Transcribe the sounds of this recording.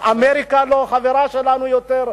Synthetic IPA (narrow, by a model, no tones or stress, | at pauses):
ʔameʁikaloχaveʁaʃelanujot̪eʁ